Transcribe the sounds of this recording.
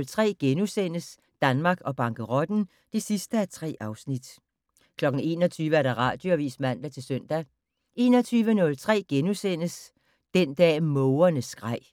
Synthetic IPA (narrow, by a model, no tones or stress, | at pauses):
lt͡sʰʁɛ̰ːɡ̥enusen̰əs | d̥ænmɑ̈ːɡ̥ɒ̽b̥ɑ̈ŋɡ̥əʁɒ̽d̥n̩ | d̥esisd̥əæt͡sʰʁɛ̰ːʔɑ̈ʊsnid̥ | kʰlɒ̽ɡ̥n̩e̝̰ːnɒ̽t͡sʰyːʋəæɐɾ̥ɑ̈ʁɑ̰̈ːd̥jo̝æʋḭːsmæn̰ʋeæɐt͡sʰe̝lsøn̰d̥æ | e̝ːnɒ̽t͡sʰyːʋənɔ̽lt͡sʰʁɛ̰ːɡ̥enusen̰əs | d̥end̥ɛ̰ːmɔʊɐnəsɡ̥ʁɑ̈ɪ̰